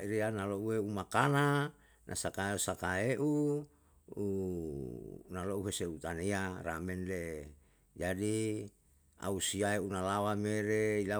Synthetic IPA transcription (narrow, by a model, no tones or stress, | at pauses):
iɾeanaloueumakana | nʔa̰sakaeusakaeʔu | nalouɦeseut̪anearamɛnle | d͡ʒadi | a̰usiaeunalawameɾeila